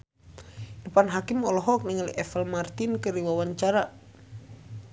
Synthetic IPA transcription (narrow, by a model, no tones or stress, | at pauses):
dəpanɦakimɔlɔɦɔk̚niŋalḭʔɛfɛlmart̪inkəɾiwawaɲt͡ʃaɾa